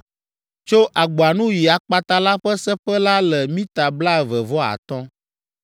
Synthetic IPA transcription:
t͡ʃo˦ʔa˨ɡ͡bɔ˨a˨nũ˦ji˨a˨k͡pa˦t̪a˦la˦ɸɛ˦sɛ˦ɸɛ˦la˦lɛ˨mĩ˦t̪a˨bla˦ɛ˨vɛ˨vɔ˦a̰˨t̪ɔ̃˦

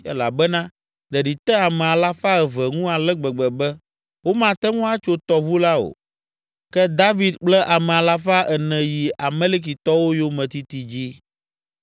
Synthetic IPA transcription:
ɛ˦la̰˨bɛ˦nã˦ | ɖɛ˨ɖi˨t̪ɛ˦a˨mɛ̃˨a˨la˦fa˦ɛ˨vɛ˨ŋũ˦a˨lɛ˦ɡ͡bɛ˨ɡ͡bɛ˨bɛ˦ | wo˦mã˨t̪ɛ˦ŋũ˦a˦t͡ʃo˦t̪ɔ˨βu˦la˦o̰˨ | kɛ˦d̪a˦vi˨d̪k͡plɛ˦ʔa˨mɛ˨a˨la˦fa˦ʔɛ˨nɛ̃˨ji˨a˨me˦li˦k̬i˨t̪ɔ˦wo˦jo˦mɛ̃˨t̪i˦t̪i˨d͡ʑi˦

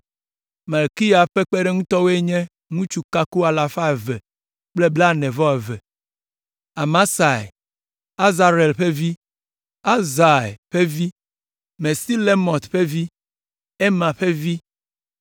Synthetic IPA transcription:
me˨lki˦ja˨ɸe˦k͡pe˦ɖe˦ŋũ˦t̪ɔ˦we˦ɲɛ̃˦ | ŋũ˦t͡ʃu˨ka˦ku˦a˨la˨fa˦e˨vɛ˨ | k͡ple˦bla˦nɛ̃˨vɔ˦e˨ve˨ | a˨mã˦sa˨j | a˦za˨ɾe˨lɸe˦vi˦ | a˦za˨jɸe˦vi˦ | me˨si˦le˦mɔ̃˨t̪ɸe˦vi˦ | e˦mã˨ɸe˦vi˦

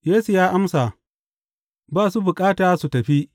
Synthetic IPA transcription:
jeː˦su˨jaː˦ʔa˦msa˨ | baː˦˨su˦bʊ˨kʼaː˦taː˨su˨tɐ˨ɸi˦ʔ

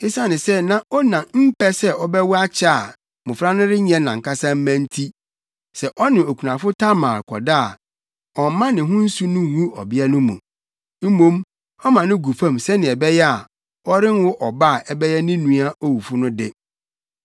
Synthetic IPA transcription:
ɪ˦sa˦nɪ̃˨sɛ˦nã˦ɔ˦nã˨m̩˦pɛ˦sɛ˦ɔ˦bɛ˦wʊ˦a˦t͡ɕʰa˦a˨ | mʊ̃˨fɾa˦nʊ̃˦ɾɪ˦ɲɛ̃˦nã˨ŋ̩˨ka˦sã˦m̩˦mæ̃˦n̩˦tʰi˦ | sɛ˨ʔɔ˦nɪ̃˨o˨kʰu˨nã˨fʊ˦tʰa˦mã̰ː˨kʰɔ̰˨daː˦˨ | ɔ˨mã˦nɪ̃˨ɦʊ̃˦n̩˦su˦nʊ̃˦˨wu˦ɔ̰˨bɪ˦ɛ˦nʊ̃˦mṵ̃˨ | m̩˦mõ˦m | ɔ˦mã˨nɪ̃˦ɡu˨fã˦˨msɛ˦nɪ̃˨ɛ˨bɛ˦jɛ˦a˨ | ɔ˦ɾɪ˦n˦wʊ˦ʔɔ˨ba˦˨ʔɛ˨bɛ˦jɛ˦nɪ̃˦nũ˨˦a˦o˦wu˨fʊ˦nʊ̃˦dɪ˦

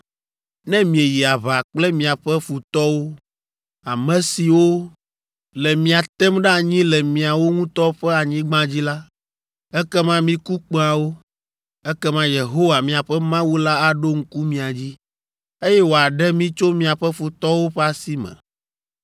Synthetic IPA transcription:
nɛ̃˦mĩ˨e˨ji˨a˨βa˨k͡plɛ˦mĩ˨a˨ɸɛ˦fu˨t̪ɔ˦wo˦ | a˨mɛ̃˨si˨wo˦ | lɛ˨mĩ˨a˨t̪ɛ˦mɖɛ˦a˨ɲĩ˦lɛ˨mĩ˨a˨wo˦ŋũ˦t̪ɔ˦ɸɛ˦a˨ɲĩ˦ɡ͡bã˦d͡ʑi˦la˦ | ɛ˦kɛ˦mã˦mĩ˦ku˦k͡pe˦a˨wo˦ | ɛ˦kɛ˦mã˦je˨ɦo˦wa˨mĩ˨a˨ɸɛ˦mã˦wu˦la˦a˦ɖo˦ŋ̩˦ku˦mĩ˨a˨d͡ʑi˦ | e˦jɛ˦wo˨a˨ɖɛ˦mĩ˦t͡ʃo˦mĩ˨a˨ɸɛ˦fu˨t̪ɔ˦wo˦ɸɛ˦a˨si˦mɛ̰̃˨

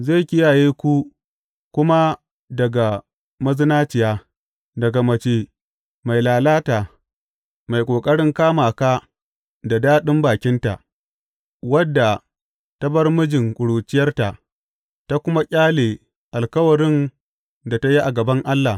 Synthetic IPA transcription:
ze˦˨kʲɪ˦jaː˨jeː˦kʷu˦ | kʷʊ˦ma˦ | dɐ˨ɡa˨ | mɐ˦zɪ˦naː˦t͡ʃɪ˨jaː˦ | dɐ˨ɡa˨mɐ˨t͡ʃeː˨ | ma˨jlaː˨laː˦ta˨ | ma˨jkʷʼoː˨kʼɐ˦ɽɪ˦ŋkaː˦maː˨ka˦ | da˨daː˦ɗɪ˦mbaː˨kʲɪ˦nta̰˨ʔ | wɐ˦dːa˨ | ta˦bɐ˦rmʊ˦d͡ʒɪ˨ŋkʷʼʊ˨ɽuː˨t͡ʃɪ˦jɐ˦rta˨ | ta˦kʷʊ˦ma˦kʲʼaː˦leː˨ | ʔa˨lkɐ˦wɐ˨ɽɪ˦n | da˨ta˦ji˦ʔa˨ɡɐ˨bɐ˦ŋʔa˦lːa˨

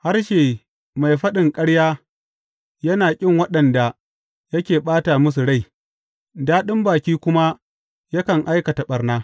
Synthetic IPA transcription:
ha˦rʃeː˨ | ma˨jɸɐ˦ɗɪ˨ŋkʼɐ˦ɽjaː˦ | jɐ˦naː˨kʲʼɪ˦˨ŋwɐ˦ɗɐ˨nda˨ | jɐ˦kʲeː˨ɓaː˦taː˨mʊ˦s̬u˨ɽa˦˨j | daː˦ɗɪ˦mbaː˨kʲiː˦kʷʊ˦ma˦ | jɐ˦kɐ˨ŋʔa˦jkɐ˨ta˨ɓɐ˨rnaː˦

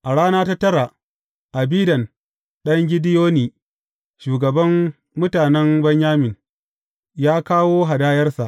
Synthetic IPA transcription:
ʔa˨ɽaː˦naː˦ta˦tɐ˦ɾa˨ | ʔa˨biː˦dɐ˨n | ɗɐ˦ŋɡʲɪ˦dɪ˦joː˦niː˨ | ʃuː˨ɡɐ˨bɐ˦mː | ʊ˦taː˨nɛ˦mbɐ˦ɲjaː˦mɪ˨n | jaː˦kaː˦woː˦ɦa˨daː˦jɐ˦rsa˨ʔ

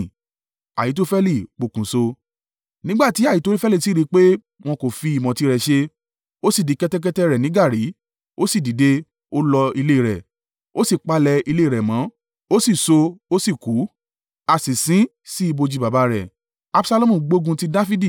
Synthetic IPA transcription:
a̰˨ji˨˦t̬o˦fɛ˦li˦˨k͡po˨kũ˨so˧ | nĩ˦ɡ͡ba˦˨ti˨˦a˦˨ji˨˦to˦ɾi˦fɛ˦li˦˨si˦ɾi˧˦k͡pe˦ | w̃ɔ̃˧ko˨fi˧i˨mɔ̃˨ti˧˦ɾɛ˨ʃe˧ | o˦si˦˨di˨˦kɛ˦tɛ˦k̬ɛ˦tɛ˦ɾɛ˨nĩ˦ɡa˦˨ɾi˨˦ | o˦si˦˨di˨˦de˧ | o˦lɔ˧i˧le˦˨ɾɛ˨ | o˦si˦˨k͡pa˦lɛ˧i˧le˦˨ɾɛ˨mã˨˦ | o˦si˦˨so˧o˦si˦˨ku˨˦ | a˨sĩ˨sĩ˨˦ | si˦i˧bo˧d͡ʒi˧ba˨ba˨˦ɾɛ˨ | a˦bsa˦lo˦mũ˦˨ɡ͡bo˦ɡũ˧ti˦da˦fi˦di˦˨

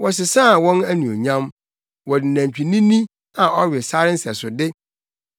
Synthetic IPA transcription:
wɔ˨s̬ɪ˨sa˦˨wɔ̃˦næ˦nĩ˨o̰˨ɲã˦m | wɔ˨dɪ˨næ̃˨ɲ˨t͡ɕᶣi˨nĩ˦nĩ˦ | ã˨ɔ˦ɥɪ˨sa˦ɾɪ˦n̩˦sɛ˨sʊ˨dɪ˦

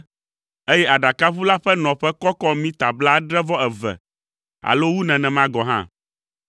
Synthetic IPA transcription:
e˦jɛ˦ʔa˨ɖa˨ka˦ɸu˦la˦ɸɛ˦nɔ̃˨ɸɛ˦kɔ˦kɔ˦mĩ˦t̪a˨bla˦ɖɾɛ˦vɔ˦ɛ˨vɛ̰˨ | a̰˨lo˦wu˦nɛ̃˨nɛ̃˨mã˦ɡɔ˨ɦã̰˦

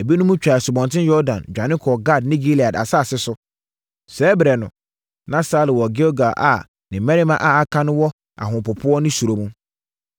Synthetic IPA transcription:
e˨bi˦nʊ̃˦mũ˦t͡ɕᶣa˨ɪ˨sʊ˨bɔ̃˨ntʰɪ̃˦njɔ˦dã̰˨nd͡ʑᶣa˨nɪ̃˦kʰɔ˨ɡa˦˨dnĩ˦ɡi˦li˨a˨da̰˨sa˦˨sɪ˦sʊ˦ | sɛː˨˦bɪ˨ɾɛ˨nʊ̰̃˨ | nã˦sa˦lɪ˨wɔ˨ɡe˦o˦ɡa˨ʔa̰˨ | nɪ̃˨mɛ̃˦ɾi˦mã˦ʔa˨a˦kʰã˦nʊ̃˦wɔ˦ | a̰˨ɦʊ̃˨pʊ˨pʰʊ˦ɔ˦nʊ̃˦su˨ɾo˨mũ˦

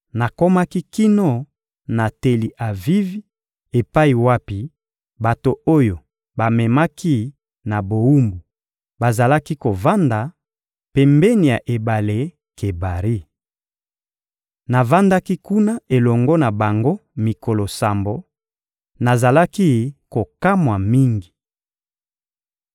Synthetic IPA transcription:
na˨ko˦ma˦ki˦ki˦no˦ | na˨te˨li˨ʔa˨vi˦vi˦ | e˨pa˦i˨wa˦pi˨ | ba˨to˨o˦jo˨ | ba˨mɛ˨ma˦ki˦ | na˨bo˨wu˦mbu˨ | ba˨za˨la˦ki˦ko˨va˦nda˨ | pe˨mbɛ˦ni˨ja˨ʔe˨ba˨le˦ | ke˨ba˨ʁi˦ | na˨va˦nda˦ki˦ku˦na˦ʔe˨lɔ˨ŋɡɔ˦na˨ba˨ŋɡo˦mi˨ko˨lo˨sa˨mbo˨ | na˨za˨la˦ki˦ko˨ka˦mwa˨mi˦ŋɡi˨

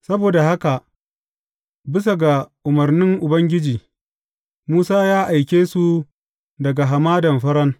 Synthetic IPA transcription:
sɐ˦boː˨da˨ha˦ka˨ʔ | bɪ˦s̬a˨ɡa˨ʔʊ˨mɐ˨rnɪ˦ŋʔʊ˨bɐ˦ŋɡʲɪ˦d͡ʒiː˨ | muː˦saː˦jaː˦ʔa˨jkʲeː˦su˨ | dɐ˨ɡa˨ɦa˨maː˦dɐ˨mɸɐ˦ɾɐ˦ŋ

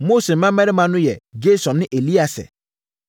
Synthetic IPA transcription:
mo˦se˨m̩˨mã˦mɛ̃˦ɾɪ˦mã˨nʊ̃˦jɛ˨d͡ʒe˦sɔ̃˨nnɪ̃˦ʔe˨li˦a˨sɛ̰˨

